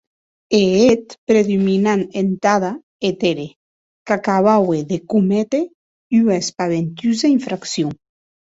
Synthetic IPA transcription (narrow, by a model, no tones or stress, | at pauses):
eet̪pɾeðuminanent̪aða | et̪eɾe | kakaβaweðekumɛt̪e | yaespaβent̪yzaiɱfɾaksjo